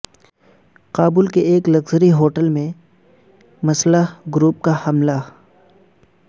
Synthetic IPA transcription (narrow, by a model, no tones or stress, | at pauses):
qaːbʊːlkeeːklɐɡzəɾiɦoːʈəlmẽ | mɐsləɡɾuːp̚kahɐmla